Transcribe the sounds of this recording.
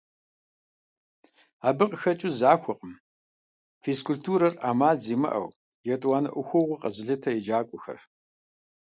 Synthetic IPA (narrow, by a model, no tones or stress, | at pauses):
aːbɨqʼəxɐt͡ʃʼʊzaːxʷɔqʼəm | feskʰultʰuːɾɐraːmaːɮziːmɐ̰ʔɐ̰w | jɛtʼwaːnɨ̰ʔʷʊxʷɔʁʷiqʼɐʑɪɮɨtʰɐjɛd͡ʒaːkʷʼʊxɐ̰r